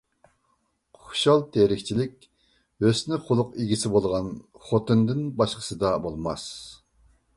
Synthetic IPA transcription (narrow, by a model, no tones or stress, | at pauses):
ʊʊʃɑlˠt̪ʰeɾɪkʲt͡ʃʰilɪkʲ | øsnɪχʰʊlˠʊqiɡʲisɪbolˠʁɑnχot̪ʰɨnd̪ɪnbɑʃqʰə̥sɨd̪ɑbolˠmɑ̰s